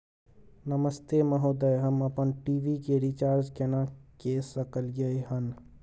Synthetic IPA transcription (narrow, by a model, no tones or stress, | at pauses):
nəməst̪eməɦod̪əjɦəmɐpənʈiːʋikeɾit͡ʃaːɾd͡ʒkenãkeːsəkəlɡəeɦən